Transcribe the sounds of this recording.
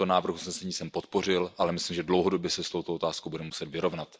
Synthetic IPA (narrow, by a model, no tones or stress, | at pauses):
onaːvr̩xusnɛsɛɲiːsɛmpo̞t̪̚po̞r̝ɪlʔalɛmɪslimʒɛdlo̞wɦo̞do̞bjɛsɛst̪o̞wt̪oot̪aːskowbudɛmusɛt̪vɪɾo̞vnat̪